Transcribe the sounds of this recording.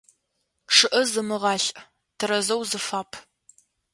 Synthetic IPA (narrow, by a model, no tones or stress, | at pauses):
ʂɨʔɐzɨmɨʁɑːɬʼ | tʰɨɾɐzɐwzɨfaːpʰ